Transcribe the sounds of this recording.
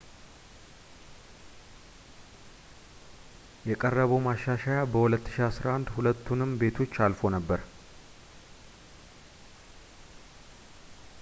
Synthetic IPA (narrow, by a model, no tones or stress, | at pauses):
jɛkʼərːəβəwmaʃːaʃajabəhulət̪ːɨ̥ʃiasɾaʔand̪hulət̪ʰːunɨmbe̞t̪ʰo̞t͡ʃːalfo̞nəbːəɾ